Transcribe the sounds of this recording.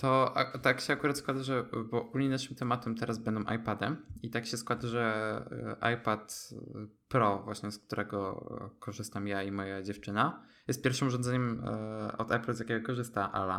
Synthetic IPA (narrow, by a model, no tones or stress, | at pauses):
t̪ɔʔa̰t̪akɕɛakuɾat̪skwad̪aʐɛbɔɡulɲinaʂɘmt̪ɛmat̪ɛmt̪ɛɾazbɛnd̪ɔ̃w̃ʔa̰jpad̪ɛmit̪akɕɛskwad̪aʐɛ | ʔa̰jpat̪ | pɾɔvwaɕɲɛsk̚t̪uɾɛɡɔkʰɔʐɘst̪amjaimɔjad͡ʑɛft͡ʂɘna | jɛst̪pʲjɛɾfʂɨmuʐɔ̃ndzɛɲɛm | ɔ̰d̪ɛpluzjakʲɛɡɔkɔʐɘst̪aʔa̰la̰